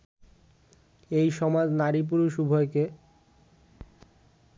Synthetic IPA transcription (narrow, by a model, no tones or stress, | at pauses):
ejʃɔmad͡ʑnaɾip̬uɾoʃubʱoeke